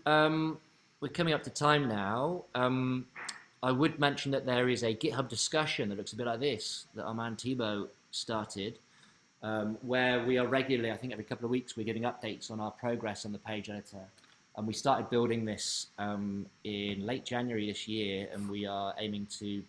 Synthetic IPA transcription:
ʌ̃m | wɪkʰʌ̃mɪ̃ŋʌp̚tʰətʰãɪ̃mnaʊʌ̃m | aɪwəd̚mɛ̃nʃə̃n̩ðəʔ̪̚ðəɹɪzəɡɪt̚ɦʌb̚dɪskʌʃə̃nðəʔ̚lʊksəbɪʔ̚ˡlaɪk̚ðɪsðə̰tə̰mãntʰibəʊ | stɑˑɹtʰɪd̥ | ʌ̃mwəwiəɹɛɡjl̩ˠəliaɪθɪ̃ŋkɛvɹikʰʌpl̩ˠəvwiˑkswɪəɡɪvɪ̃ŋʌp̚d̥eɪtsn̩aʊəpʰɹ̥əʊɡɹɛsn̩ðəpʰeɪd͡ʒɛɾɪtʰə˞ | ʔə̃nwistɑˑtɪd̚bɪlˠɾɪ̃ŋðɪsʌ̃mɪ̃nleɪʔ̚d̥ʒ̥ãnjwəɹiðɪsjɪəɹə̰̃nwiəḛ̃ɪ̃mɪ̃ŋtʰɨ

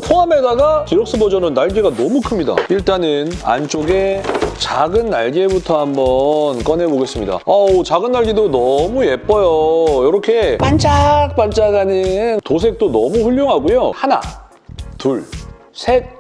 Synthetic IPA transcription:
pʰoame̞daɡakiɾʌk̚s͈ɯbod͡ʑʌnɯnːaɭɡiɡanʌmukʰɯmɲida̰iɭt͈anɯna̰nt͡ɕ͈oɡe̞t͡ɕaɡɯnːaɭɡebutʰʌɦambʌnk͈ʌne̞boɡe̞s͈ɯmɲida̰aot͡ɕaɡɯnːaɭɡidonʌmuje̞p͈ʌjojʌɾʌkʰe̞pant͡ɕʰak̚p͈ant͡ɕ͈aɡaɲintos̬ʰe̞k̚t͈onʌmuɸuɭːoŋɦaɡujohana̰ | tuɭ | sʰe̞k̚

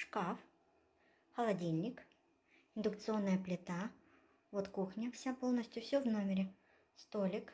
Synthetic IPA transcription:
ʂkaf | xɐlˠɐdʲilʲnʲɪk | ɪnd̪ʊk̚t̪sɨo̞nːɨjəplʲɪt̪a | vot̪kuxnʲɐfsʲapo̞lˠnəsʲtʲjʊfsʲɵvno̞mʲɪɾʲɪ | st̪olʲɪk

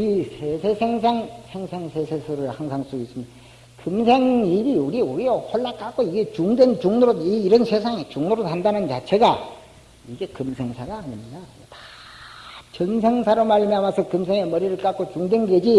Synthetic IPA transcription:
isʰesʰe̞sʰeŋsʰaŋsʰeŋsʰeŋsʰesʰesʰɯɾɯɭhaŋsʰaŋs͈uis͈ɯmɲida | kɯmsʰeŋiɾiuɾiuɾiehoɭːak͈ʰak͈oiɡe̞t͡ɕuŋdwent͡ɕuŋnoɾoiːɾʌnsʰesʰaŋet͡ɕuŋnoɾoɦandanɯnt͡ɕat͡ɕʰe̞ɡa | iɡe̞kɯmsʰe̞ŋsʰaɡaːɲimidatḁ | t͡ɕʌnsʰeŋsʰaɾomaɭmiamasʰʌkɯmsʰeŋemʌɾiɾɯɭk͈ak͈ot͡ɕuŋdwenɡed͡ʑi

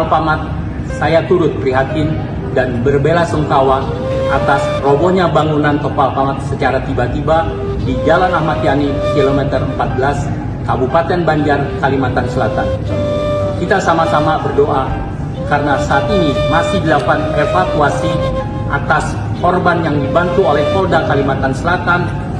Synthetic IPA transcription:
alpamat̪̚ | sajat̪uɾʊt̪̚pɾiɦat̪ɪn | danbərbelasəŋkawa | ʔat̪asroboɲabaŋunant̪ɔpalpamat̪̚sət͡ʃaɾat̪ibat̪iba | did͡ʒalanahmat̪̚janikilomɛt̪ərəmpat̪̚bəlas | kabupat̪ɛnbaɲd͡ʒarkalimat̪ansəlat̪an | kit̪asamasamabərdoʔa | kaɾənasaːt̪inimasɪhdəlapanefakuasi | ʔa̰t̪as | kɔrbanjaŋdibant̪uolɛhkɔldakalimat̪ansəlat̪an

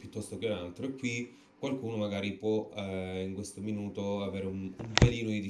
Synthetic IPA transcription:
pjut̪ːɔst̪ok̟eunalt̪ɾoekːwi | kːwalkuːnomaɡaːɾipwɔiŋkwest̪ominuːt̪oaveːɾeunumpeliːnod̪id̪i

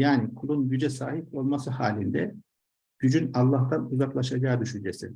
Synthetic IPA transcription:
jaːnikʰulˠunɟyd͡ʒɛsaːɦipo̞lˠmasɯhaːlʲind̪ɛ | ɟ̥yd͡ʒynalˠːaht̪ʰanuzaklˠaʃad͡ʒaːd̪yʃynd͡ʒe̞sḭ

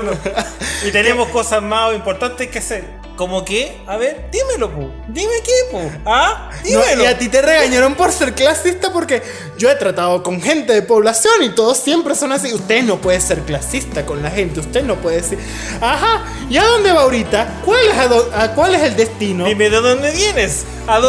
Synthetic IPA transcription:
it̪enemosko̞sasmaoimpoɾt̪ant̪ehkeseɾ | komoke | aβeɾd̪imelopu | d̪imekepoa | d̪inoeloat̪it̪e̞re̞ɣaɲaɾo̞mpo̞ɾse̞ɾklasist̪apo̞ɾke̞ | d͡ʒo̞e̞t̪ɾat̪aðoko̞ŋxe̞nt̪e̞ðe̞po̞βlasjo̞nit̪o̞ðosːje̞mpɾe̞so̞nas̬iust̪e̞no̞pwe̞ðese̞ɾklasist̪ako̞nlaxe̞nt̪eust̪eno̞pwe̞ðeesiɾ | axa | jaðo̞nd̪e̞βaoɾit̪akwalesaðoakwalese̞ld̪e̞st̪inoimeðeðond̪eβje̞nes | a

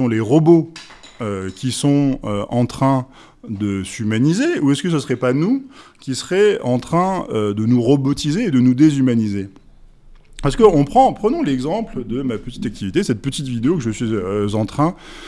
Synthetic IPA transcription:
ɔ̃leʁɔboøkʲisɔ̃øʔɑ̃t̪χɛ̃ | d̪əsymanizeuɛskəs̬əsʁɛpanukʲisʁɛɑ̃t̪χɛ̃ød̪ənuʁɔbɔt̪izeːd̪ənud̪ezymanize | paʁskəɔ̃pχɑ̃pχənɔ̃lɛɡzɑ̃pld̪əmapət̪i̥t̪ak̚t̪ʰivit̪esɛt̪̚pət̪it̪vid̪eokəʒəsɥiøzɑ̃t̪χɛ̃

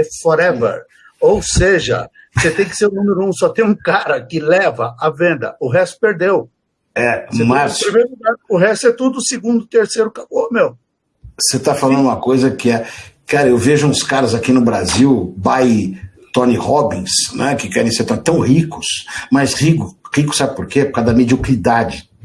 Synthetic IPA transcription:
fɔɾɛvḛɾ | owseʒɐ̰ | set̪ẽj̃kɪ̥seɾũnũmeɾʊũsɔt̪ẽj̃ũkaɾɐkɪlɛvɐʔavẽnd̪ɐ̰ʊɦɛst̪ʊ̥peɾd̪ew | ɛmapɾmeɾluɡaɾʊɦɛst̪ʊɛt̪ud̪ʊsɪɡũnd̪ʊt̪eɾsejɾʊkabomew | set̪afalɐ̃nd̪ʊũmɐkojzɐkɪɛkaɾɐewveʒʊũskaɾɐzakinʊbɾaziwbaj | t̪õnihɔbĩsnɛkɪkɛɾẽj̃seɾt̪õt̪ɐ̃w̃hikʊsmɐshikʊhikʊsabɪpoɾkepo̥kad̪ɐmed͡ʒiokɾid̪ad͡ʒɪ

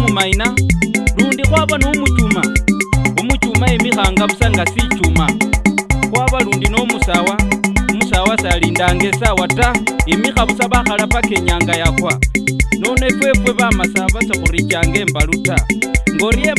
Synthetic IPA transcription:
mumainaluːndixwaβanomut͡ʃuma | umut͡ʃumaimixaŋɡaβusaŋɡasit͡ʃuma | xwaːβaluːndinomusawaumusawasaliːndaːŋɡe̞sawataimixaβusaβaxalapake̞ɲaːŋɡajakwanonwe̞fwe̞fwe̞βamasaβasaxuɾit͡ʃaːŋɡe̞ːmbalutaŋɡoɾie

